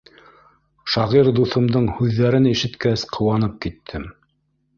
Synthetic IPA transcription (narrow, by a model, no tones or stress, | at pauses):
ʃɑʁiɾd̪uθɤ̆md̪ɤɴhʉðːæɾɘniʃɘ̆t̪kæsqʰɤ̆wɑnɤp̚kit̪ʰːɘm